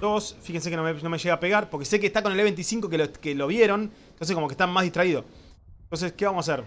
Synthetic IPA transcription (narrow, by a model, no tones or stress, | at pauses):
d̪osfixens̬ekeono̞meʃeɣaːpe̞ɣaɾpo̞ɾkese̞k̬eht̪akoneleβe̞nt̪isiŋko̞kelokelo̞βjeɾo̞nent̪o̞nsekomo̞keht̪amːazðiht̪ɾaiðo̞ | t̪o̞ns̬e̞ske̞βamosas̬eɾ